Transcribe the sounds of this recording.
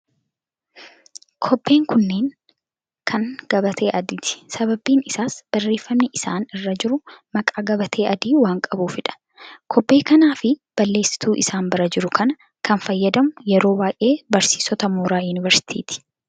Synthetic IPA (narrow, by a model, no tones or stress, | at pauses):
kʰɔbːe̞ːŋkʊnːeːn | kʰɐŋɡ̥ɐbɐt̪ʰe̞ːʔɐd̪it̪ɪ̥sɐβɐbiːnɪsaːsb̥ɐrːe̞ːfːɐmnɪʔɪsaːnɪrːɐd͡ʒɪɾʊmɐkʼaːɡɐbɐt̪ʰe̞ːʔɐd̪iːwaːŋkʼɐbuːfɪᶑɐ̥ | kʰɔbːe̞ːkɐnaːfɪb̥ɐlːe̞ːsːɪ̥t̪uːʔɪsaːmbɐɾɐd͡ʒɪɾʊkʰɐnɐ | kʰɐnfɐjːɐd̪ɐmʊjɛɾo̞ːbaːjʔe̞ːbɐɾsiːsɔt̪ɐmuːɾaːjʊnɪvɐɾsɪ̥t̪ʰḭːt̪ɪ̥